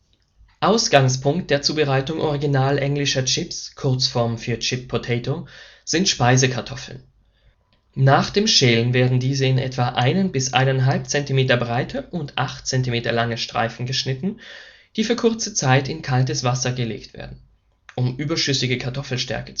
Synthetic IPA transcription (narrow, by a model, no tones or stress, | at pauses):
ʔaʊsɡ̥aŋspʰʊŋkt̚d̥eːɐt͡suːbəʁaɪtʊŋʔɔʁ̞iɡinaːlʔɛŋlɪʃɐt͡ʃɪpskʰʊɐt͡sfɔɐmfyːɐt͡ʃɪpʰːotʰɛɪtoz̥ɪntʃpaɪzəkʰaɐtʰɔfl̩n | nːaːχd̥eːmʃɛːlənveːɐdn̩diːzəɪnʔɛ̰tv̥aʔaɪnənbɪsʔa̰ɪnanɦalp̚t͡sɛntimeːtɐbʁaɪtʰəʔʊntʔaχtt͡sɛntimeːtɐlaŋəʃtʁ̥a̰ɪfn̩ɡəʃnɪtn̩ | d̥iːfyːɐkʰʊɐt͡sət͡saɪtɪnkʰaltəsv̥asɐɡəlḛːktv̥ḛːɐdn̩ | ʔʊmʔyːbɐʃʏsɪɡəkʰaɐtʰɔfl̩ʃtɛ̰ɐkə̥t͡s